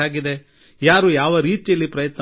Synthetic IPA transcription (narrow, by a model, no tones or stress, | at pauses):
aːɡid̪e | jaːɾujaːʋɐɾiːt̪ijɐlːipɾɐjɐt̪nɐ